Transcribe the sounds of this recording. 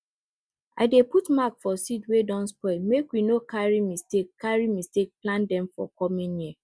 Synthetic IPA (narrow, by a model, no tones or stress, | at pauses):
a̰ɪdeputmakfɔsitwedɔ̃nspɔɪmekwinokʰaɹimistekʰːaɹimistek̚plãndɛ̃mfɔ̰kɔmĩnji